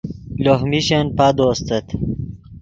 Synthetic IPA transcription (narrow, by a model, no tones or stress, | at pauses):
loɦmiɕenpad̪oːst̪ət̪